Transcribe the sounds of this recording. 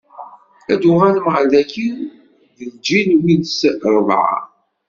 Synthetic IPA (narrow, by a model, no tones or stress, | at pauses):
æd̪ʊʁalməʁəldæki | ðəld͡ʒinwinsɾˤəðˤʕɑ̰